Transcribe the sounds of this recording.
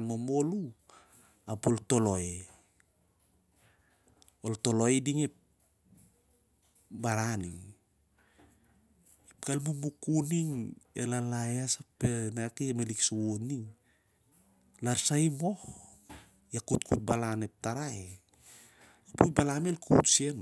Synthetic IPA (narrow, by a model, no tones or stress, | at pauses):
nmomo̞lu | apolto̞lo̞e | olto̞lo̞ediŋep̚ | baɾaniŋ | ipɡalmumukuniŋḛlalaeasapːenakiemeliksuwoniŋ | laɾsajmo̞h | jakutkut̚balane̞p̚taɾae | apujbalamelkutsien